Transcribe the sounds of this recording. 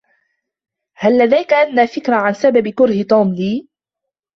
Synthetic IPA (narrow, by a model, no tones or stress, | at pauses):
halːad̪ajkaʔanːaːfɪkɾaʕansababkʊɾhɪt̪ˤuːmliː